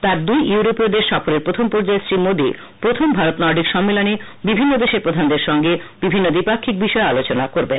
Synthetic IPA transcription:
t̪aɾd̪ujuuɾopod̪eʃʃɔfoɾeɾpɾot̪ʰompɔɾd͡ʑaesɾimod̪i | pɾot̪ʰombʱaɾot̪nɔɾɖikʃɔmːelone | bibʱinːod̪eʃeɾpɾod̪ʱand̪eɾʃɔŋɡebibʱinːod̪ipakʰːik̚biʃɔealot͡ɕonakoɾben

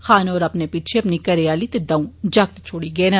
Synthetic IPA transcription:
xaːnɔːɾəpnepit͡ʃʰeɐpnikəɾeaːlit̪ed̪ãũːd͡ʒɐk̚t̪t͡ʃʰoːɽiɡeːn

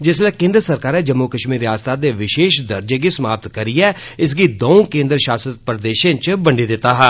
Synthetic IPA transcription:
d͡ʒɪslɛːkẽːnd̪ɾəsəɾkaːɾɛːd͡ʒəmːuːkəʃmiːɾjaːst̪aːd̪eːʋɪʃeːʃd̪əɾd͡ʒeːɡiːsəmaːp̚t̪kəɾiːɛː | ɪs̬ɡiːd̪oːõːkẽːnd̪ɾʃaːsət̪̚pɾd̪eːʃẽt͡ʃbəɳɖiːd̪ɪt̪ːaːɦɛː

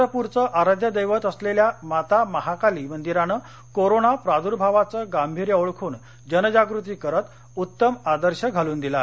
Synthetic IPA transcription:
əpuɾt͡səʔaɾad̪ʱjəd̪əjʋət̪əsleljamat̪aməɦakaliːmənd̪iɾanə | koɾonapɾad̪uɾbʱaʋat͡səːɡambʱiɾjəoɭkʰuːn | d͡ʑənəd͡ʑaɡɾut̪iːkəɾət̪ | ut̪ːəmad̪əɾɕəɡʱaluːnd̪ila

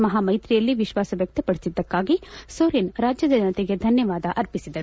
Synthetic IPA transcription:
mɐɦaːmɐjt̪ɾijɐlːiʋiʃʋaːsɐʋjɐk̚t̪ɐpɐɽisid̪ːɐkːaːɡisoːɾeːnɾaːd͡ʒjɐd͡ʒ̪ɐd͡ʒɐnɐt̪iɡe̞d̪ʱɐnjɐʋaːd̪ɐʔɐɾpisid̪ɐɾu

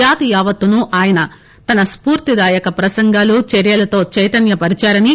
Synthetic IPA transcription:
aːt̪ijaːʋɐt̪ːunuʔaːjɐnɐ | t̪ɐnɐspuːɾt̪id̪aːjɐkɐpɾɐsɐŋɡaːlut͡ʃeɾjɐlɐt̪o̞ːt͡ʃɐjt̪ɐnjɐpɐɾit͡ʃaːɾɐni

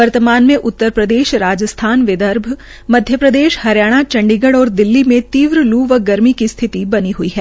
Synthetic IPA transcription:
ʋɐɾt̪əmaːnmẽʔʊt̪ːəɾpɾəd̪eːʃɾaːd͡ʒəst̪ʰaːnʋɪd̪əɾbʱ | mɐd̪ʱjəpɾɐd̪eːʃhɐɾjaːɽ̃at͡ʃɐ̃ɳɖiɡəɽɔːɾd̪ɪlːimẽt̪iːʋɾluːʋəɡɐɾmikist̪ʰɪt̪ibɐniɦuiɦɛː

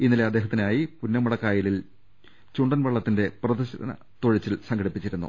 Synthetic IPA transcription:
inːileɐd̪ːe̞ːɦɐt̪ːinaːjipunːɐmɐɽɐkːaːjilil | t͡ɕuɳɖɐnʋɐɭːɐt̪ːinde̞prɐðɐɕɐɾɐ̰nɐ̰ | t̪oɻit͡ɕːilsɐŋɡɐɽipːit͡ɕːiɾunːṵ

